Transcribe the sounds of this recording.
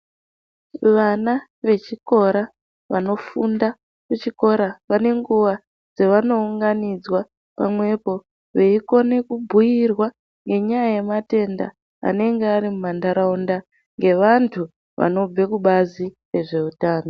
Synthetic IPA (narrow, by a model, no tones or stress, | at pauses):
ʋana | ʋe̞t͡ʃiko̞ɾa | ʋano̞funda | kut͡ʃiko̞ɾaʋane̞ŋɡuʋa | d͡zeʋano̞uŋɡanid͡zwa | pa̰mwe̞po̞ | ʋe̞iko̞ne̞kubʱujirwa | ŋɡe̞ɲajajemate̞nda̰ | a̰ne̞ŋɡeaɾimumandaɾaunda | ŋɡe̞ʋantʰu | ʋa̰no̞b͡ve̞kuɓazire̞ʐe̞utaːno